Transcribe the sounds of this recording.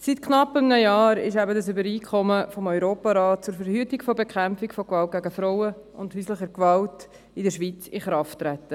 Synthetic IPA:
sitkʰnɑpːəmnəjɑːɾɪ̰ʃæbədəsʏbəɾiːkʰχɔməfɔmɔʏɾoːpɑɾɑːt̚t͡sʊːɾfəɾhyːtɪkfɔbekʰχæmfɪkfɔkvɑlt̚ɡæɡəfɾoʊwəʊndhyːsləχəɾkʋɑlt | ɪdəʃʋiːt͡sɪχɾɑftːɾɛtːə

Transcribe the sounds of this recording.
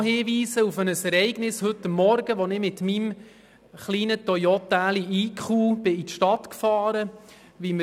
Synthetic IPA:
ɦɪːʋiːzəufənəsɛɾɛɪɡnɪshɵtːəmːɔɾɡəʋɔnɪmɪt̪mim | χliːnət̪ɔjɔt̪æːliiːkχuːb̥ɪitʃtɑtkfɑːɾə | ʋimə

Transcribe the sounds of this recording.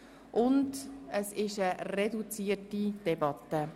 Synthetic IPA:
ʔʊndəsɪʃəɾedut͡siːətid̥ɛbɑtːə

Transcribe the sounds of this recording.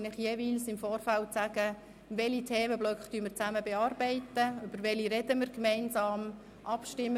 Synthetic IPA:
nlɪχjɛʋiːlsɪmfɔːrfælt͡sæɡ̥ə | ʋɛlit̪ʰɛːməblœkχtyəmɪɾt͡sæməbɛɑːɾbɛɪtəʏbəɾʋɛliɾɛdəmɪɾɡmɛɪnsɑːm | ʔɑpʃtɪmː

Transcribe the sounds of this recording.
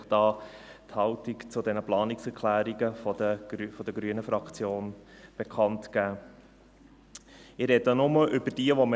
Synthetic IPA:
d̥ɑː | t̪hɑltikt͡sʊdɛnəplɑːniksɛɾkʰlæːɾiɡəfɔdə̥fɔd̥̪əɡɾyənəfɾɑkt͡sjoːnb̥ekʰɑntkæː | ɪɾɛdənʊməʔʏbəd̥iəʋɔmə

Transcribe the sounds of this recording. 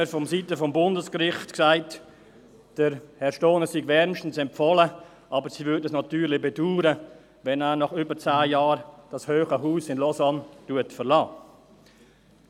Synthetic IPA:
əfɔmsitəfɔmbʊndəskɾɪχtksaɪt | d̥əɾhɛɾʃtoːnəsiɡvɛɾnʃtən̩sɛmpfɔlə | ʔɑːbəɾsivʏɾdɛsnɑtyːɾlɪbɛduːɾə | vɛnæːnɑχʏbəɾt͡saːjɑːɾd̥ɑshøːχəɦuːsɪnlɔsantuətfəlɑː

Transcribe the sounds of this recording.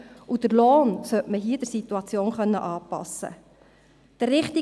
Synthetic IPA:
udəɾloːnsœtməɦiːəd̥əɾsituɑt͡sjoːnχœnːəʔɑːpɑ̰sə̰ | d̥ərːɪχt̪i

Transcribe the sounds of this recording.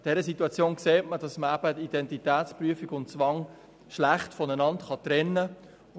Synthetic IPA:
d̥ɛɾəsituɑt͡sjoːnkseːtmədɑsməæb̥ətid̥ɛntitæːtt͡spryəfiɡʊnt͡sʋɑŋ | ʃlæχtfɔnənɑntχɑt̪ɾɛnːə

